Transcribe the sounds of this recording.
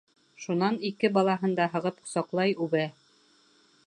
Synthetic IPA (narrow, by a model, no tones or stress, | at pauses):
ʃunɑnikɘbɑlˠɑɦɤ̆nd̪ɑɦɤ̆ʁɤpŏ̥sɑqlˠɑjʉβæ